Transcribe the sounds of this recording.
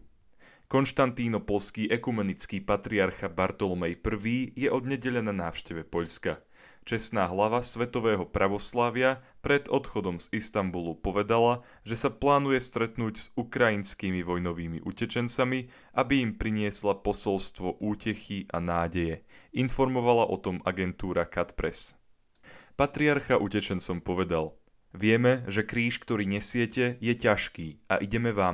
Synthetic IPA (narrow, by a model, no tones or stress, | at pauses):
kɔnʃt̪ant̪iːnɔpɔlskiːʔɛkumɛnit͡skiːpat̪ɾiaɾxabaɾt̪ɔlɔmɛjpr̩ʋiːjɛʔɔd̪ɲɛɟɛʎananaːʊʃcɛʋɛpɔʎska | t͡ʃɛsnaːɦlaʋasʋɛt̪ɔʋɛːɦɔpɾaʋɔslaʋɪa | pɾɛd̪ɔt̪xɔd̪ɔmzist̪ambulupɔʋɛd̪ala | ʒɛsaplaːnujɛst̪ɾɛt̪nuːɟz̥ukɾainskiːmiʋɔjnɔʋiːmḭʔucɛt͡ʃɛnt͡sami | ʔabiimpɾiɲɪɛslapɔsɔlst̪ʋɔʔuːcɛxiʔa̰naːɟɛjɛinfɔɾmɔʋalaʔɔt̪ɔmaɡɛnt̪uːɾakat̪pɾɛs | pat̪ɾiaɾxaʔucɛt͡ʃɛnt͡sɔmpɔʋɛd̪al | ʋɪɛmɛʒɛkɾiːʃkt̪ɔɾiːɲɛsɪɛcɛjɛcaʃkiːa̰ʔiɟɛmɛʋaːm